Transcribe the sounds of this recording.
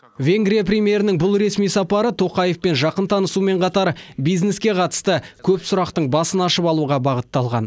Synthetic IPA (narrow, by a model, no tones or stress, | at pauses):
vʲe̞ŋɡɾʲijapɾʲijmʲje̞ɾɪnɪŋbʊlˠɾe̞smijsɑpɑɾət̪ʰo̞qɑje̞fpe̞nʒɑqənt̪ʰɑnəsume̞ɴqʰɑt̪ɑɾbijzne̞skʲe̞qʰɑt̪ə̥st̪əkʲʰɵpsʊɾɑqt̪əɴbɑsənɑʃəpɑlˠuʁɑbɑʁət̪ːɑlˠʁɑ̰n